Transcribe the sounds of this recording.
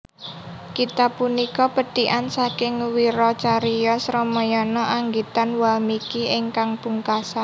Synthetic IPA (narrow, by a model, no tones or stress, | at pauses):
kit̪apunikɔpəɖ̥iʔansakɪŋwiɾɔt͡ʃaɾijɔsɾɔmɔjɔnɔʔaŋɡit̪anwalmikiɪŋkaŋpuŋkasa